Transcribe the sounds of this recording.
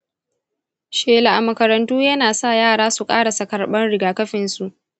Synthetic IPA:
ʃeː˨la˨ʔa˨mɐ˨kɐ˨ɾɐ˨ntuː˦jɐ˦naː˨sa˦˨jaː˦˨ɽaː˦su˨kʼaː˦ɽa˨sɐ˨kɐ˨ɽɓɐ˦nɽɪ˦ɡaː˨kɐ˦ɸɪ˨nsu˨ʔ

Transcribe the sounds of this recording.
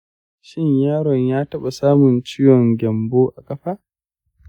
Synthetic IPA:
ʃɪ˦ɲjaː˦ɽɔ˨ɲjaː˦tɐ˦ɓa˨saː˦mʊ˨nt͡ʃɪ˦jɔ˨ŋɡʲɛ˨mboː˦ʔa˨kʼɐ˦ɸaː˦

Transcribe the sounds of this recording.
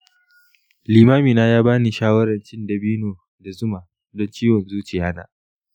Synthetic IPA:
liː˨maː˦miː˨naː˦jaː˦baː˦niː˨ʃaː˦wɐ˦ɾɐ˨nt͡ʃɪ˦ndɐ˨biː˦noː˨ | da˨zʊ˦ma˨ | dɔ˦nt͡ʃiː˦wɔ˨nzuː˦t͡ʃɪ˨jaː˦na̰ː˨

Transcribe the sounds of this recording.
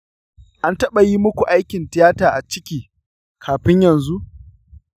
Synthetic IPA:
ʔa˦ntɐ˦ɓa˨ji˦mʊ˦kʷu˨ʔa˦jkʲɪ˨ntɪ˦jaː˦taː˨ʔa˨t͡ʃɪ˦kʲiː˨ | kʰaː˨ɸɪ˦ɲjɐ˨nzu˦ʔ

